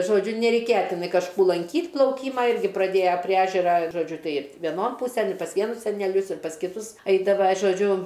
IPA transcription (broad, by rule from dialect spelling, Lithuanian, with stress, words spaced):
ʒoːˈd͡ʒʲʊ nʲɛrʲɛɪˈkʲeːjɛ ˈtʲɪnɐɪ kɐʃˈkuː lˠɐŋʲˈkʲiːtʲ plˠɐʊˈkʲiːmɐ ˈɪrʲɡʲɪ prɐˈdʲeːjɛ pʲrʲiɛ ˈæːʒʲɛrɐ ʒoːˈd͡ʒʲʊ ˈtɐɪ ʋʲɛˈnoːn ˈpuːsʲɛn ɪ pɐs ˈʋʲiɛnʊs sʲɛnʲɛˈlʲʊs ɪr pɐs kʲɪˈtʊs ˈɐɪdɐʋɐ ʒoːˈd͡ʒʲʊ